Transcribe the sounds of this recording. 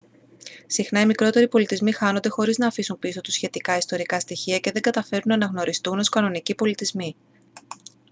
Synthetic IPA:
sixnɐimikɾo̞t̪e̞ɾipo̞lit̪izmixɐno̞nd̪e̞xo̞ɾiznɐːfisunpiso̞t̪usçe̞t̪ikɐist̪o̞ɾikɐst̪içiɐce̞ðe̞ɡɐt̪ɐfe̞ɾunɐːnɐɣno̞ɾist̪uno̞skɐno̞nicipo̞lit̪izmi

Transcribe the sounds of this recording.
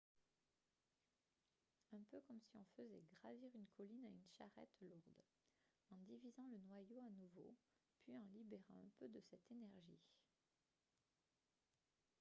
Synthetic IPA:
ɛ̃pøkɔmsiɔ̃fəzɛɡʁaviʁynkʰɔlinaynʃa̰ʁɛ̰t̪luʁd̪ | ɑ̃d̪ivizɑ̃lənwajoanuvo̰ | pɥiɑ̃libeʁɑ̃ɛ̰̃pød̪əsɛt̪enɛʁʒḭ

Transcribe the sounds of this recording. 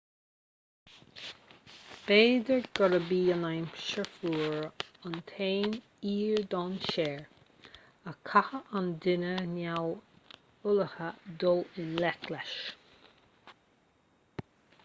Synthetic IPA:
b̥eːd̪əɹɡ̥ɔɾəbiːənajmʃəfuːɹant̪ʰeːn | iːɹd̪ɔːnʃɛːɹ | əkʰahəʔand̪ɪnənaw | ʊləhəd̪ɔlɪnlɛkʰlɛʃ

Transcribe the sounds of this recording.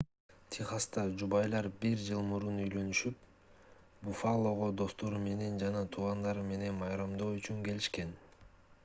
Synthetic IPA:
t̪ʲʰiχɑst̪ɑd͡ʒubɑjlˠɑɾbiɾd͡ʒɯlˠmuɾunyjlø̞nyʃyp̚ | bufalˠo̞ʁo̞d̪o̞st̪o̞ɾume̞ne̞nd͡ʒɑnɑt̪ʰuʁɑnd̪ɑɾme̞ne̞nmɑjɾɑmd̪o̞ːyt͡ʃyŋke̞liʃke̞n

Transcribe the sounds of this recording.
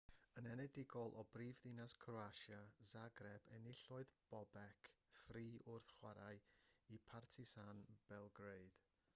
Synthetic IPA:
ənɛnɛdɪɡɔlˠʔɔbriːvðɪnaskʰrɔaʃjazaɡrɛbɛnɪɬɔɨðb̥ɔbɛkʰfriːʔʊrθχwaɾaɨipʰartʰɪsanb̥ɛlˠɡreɨd̥

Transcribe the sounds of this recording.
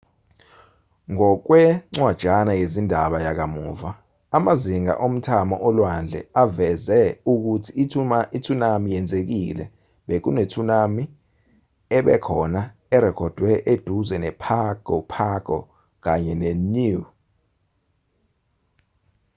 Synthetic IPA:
ŋɔk̬wɛŋ͡ǀwad̥ʒ̥ʱanajezindʱaɓajak̬amuːva | amaziŋa̰ʔom̩tʰamɔ̰ʔɔlwand͡ɮʱɛ̰avɛzɛuk̬utʰiitʰunamijɛnd͡zʱek̬ḭlɛ̰ | ɓek̬unetʰunami | ɛɓɛ̰kʰɔna | ɛɾɛkʰɔd̥ʱwɛʔed̥ʱuzɛnɛpʰaɡ̥ʱɔpʰaɡ̥ɔ̰ | k̬aɲɛnenu

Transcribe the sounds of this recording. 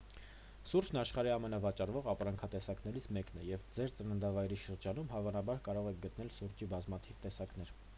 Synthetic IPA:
suɾd͡ʒʰnɑʃχɑɾiɑmɛnɑvɑt͡ʃɑrvɔʁɑpɾɑŋkʰɑt̪ɛsɑkn̪ɛɾit͡sʰmɛknɛjɛvd͡zɛɾt͡sənənd̪ɑvɑjɾiʃəɾd͡ʒɑnumɦɑvɑnɑbɑɾkɑɾɔʁɛk̚ʰɡət̪nɛlsuɾd͡ʒibɑzmɑt̪ʰivt̪ɛsɑkn̪ɛɾ

